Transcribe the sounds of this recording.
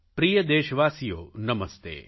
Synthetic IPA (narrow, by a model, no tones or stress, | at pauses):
pɾiːjəd̪eːʃəʋaːsijo̰ːnɐməst̪ḛː